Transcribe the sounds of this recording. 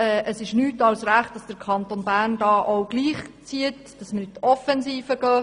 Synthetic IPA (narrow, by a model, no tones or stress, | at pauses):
ɛːʔəsɪʃnyːtɑwsræχt̚d̥ɑsd̥əɾkʰɑnt̪onbæːɾndɑːʔowɡ̥liːχt͡siət | d̥ɑsməɾɪt̪ɔfɛnsiːfəɡ̥œː